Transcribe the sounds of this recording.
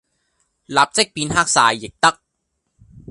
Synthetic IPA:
laː˨˩p̚t͡se˦˥k̚piː˧nɦaː˥˩k̚saː˨˩jːe˨˩k̚t̪ɐ˦˥k̚

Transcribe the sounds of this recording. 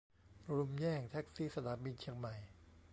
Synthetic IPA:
ɾu˧mjɛː˥˩ŋt̪ʰɛ˦˥k̚siː˥˩sa˧t̪ʰaː˩˦bi˧nt͡ɕʰi˧əŋma˨˩j

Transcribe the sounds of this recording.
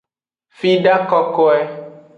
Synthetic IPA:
fi˦ɖa˦kɔ˦kɔ˦ɛ˦

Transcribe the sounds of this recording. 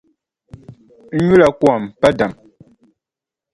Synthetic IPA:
ɲu˦la˨kwɔ˨mpa˦da˨m

